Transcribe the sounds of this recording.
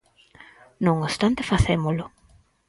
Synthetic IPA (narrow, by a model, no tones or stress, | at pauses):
nõŋost̪ant̪efaθemolʊ